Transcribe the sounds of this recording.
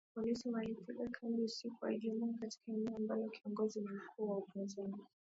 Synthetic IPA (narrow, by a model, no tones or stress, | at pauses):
pɔlisimaipilakʰambiusikua̰liʄɛmuŋakati̥kaɛnɛɔambalɔkiɔŋɡɔzinim̩kʰuːwaupinzani